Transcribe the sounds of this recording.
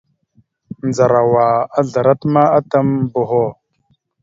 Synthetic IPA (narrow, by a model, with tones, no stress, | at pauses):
nd͡za˨ɾa˨wa˨a˦ɮa˨ɾa˦tma˦a˦ta˦mbo˨ɦo˦